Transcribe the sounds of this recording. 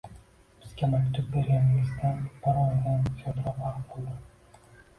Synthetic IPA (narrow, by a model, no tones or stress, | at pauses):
b̥ɪz̥ɡʲamakʲt̪ʰʊp̚be̞ɾɡʲanɪɪzd̪anbɒɾɒnd̪ansʰɒt̪ɾɒpɑɾqqolˠd̪ɪ